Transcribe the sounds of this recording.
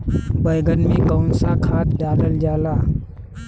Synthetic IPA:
bəjɡənmẽkəʊnsakʰaːt̪ɖaːləld͡ʒaːlaː

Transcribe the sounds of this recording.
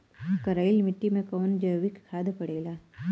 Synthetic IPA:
kɐɾaːɪlmɪʈːimẽkoːnd͡ʒəjʋikkʰːaːd̪pɐɽeːlaː

